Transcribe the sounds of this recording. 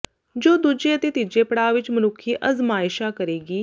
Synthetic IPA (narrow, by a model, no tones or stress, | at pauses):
d͡ʒoːd̪ud͡ʒeːət̪eːt̪id͡ʒeːpəɽaːʋɪt͡ʃmənʊkʰːiːʔəzmaːɪʃaːkəɾeːɡiː